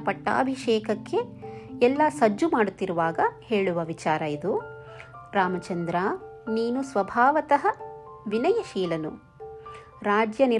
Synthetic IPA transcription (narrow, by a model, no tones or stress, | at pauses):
pɐʈːa̰ːbʱiʂɛːkɐkːe̞ɛlːɐsɐd͡ʒːumaːɽut̪ːiɾuʋaːɡɐhe̞ːɭuʋɐʋit͡ʃaːɾɐid̪u | ɾaːmɐt͡ʃɐnd̪ɾɐniːnusʋɐbʱaːʋɐt̪ɐɦɐ | ʋinɐjɐʃiːlɐnṵ | ɾaːd͡ʒjɐni